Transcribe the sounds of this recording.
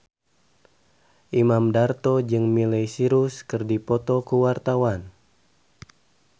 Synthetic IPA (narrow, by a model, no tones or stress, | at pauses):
ʔimamdart̪ɔd͡ʒɨŋmilɛjsiɾuskɨrdipɔt̪ɔkuwart̪awan